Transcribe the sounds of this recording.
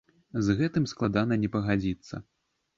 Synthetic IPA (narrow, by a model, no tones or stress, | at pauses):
zɣɛt̪ɨmsklˠad̪anɐnʲɛpɐɣad͡zʲit̪sːɐ̰